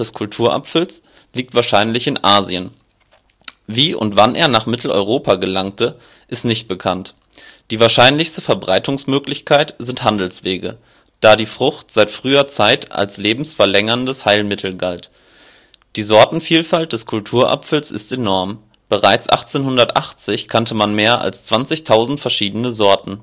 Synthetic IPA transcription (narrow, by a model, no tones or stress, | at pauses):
d̥ɛskʰʊltʰuːɐʔa̰pfl̩s | liːk̚tv̥aːɐʃaɪnlɪçɪnʔaːziən | viːʔʊ̰ntv̥anʔḛːɐnaːχmɪtʰl̩ɔ̰ʏʁoːpʰaɡəlaŋtʰə | ʔɪstnɪçt̚b̥əkʰant | d̥iːvaːɐʃaɪnlɪçstəfɛɐbʁaɪtʊŋsmøːklɪçkʰaɪtz̥ɪnthandl̩sv̥eːɡə̰ | d̥aːdiːfʁ̥ʊxtz̥aɪtfʁ̥yːɐt͡saɪtʔa̰lsleːbm̩sfɛɐlɛŋɐndəshaɪlmɪtʰl̩ɡalt | d̥iːzɔɐtn̩fiːlfalt̚d̥ɛskʰʊltʰuːɐʔa̰pfl̩sɪ̰stenɔɐm | b̥əʁaɪt͡sʔa̰χt͡seːnhʊndɐtʔa̰χt͡sɪçkʰantʰəmanmeːɐʔa̰lst͡sv̥ant͡sɪçtʰaʊzn̩tfɛɐʃiːdənəzɔɐtn̩